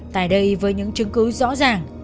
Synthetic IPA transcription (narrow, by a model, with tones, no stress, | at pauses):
t̪a̰ː˧˨jɗə˧jvəː˨˦jɲɨ̰˧˥ŋt͡ɕɨ˨˦ŋkɨ˨˦zɔ̰˧˥zaː˨˩ŋ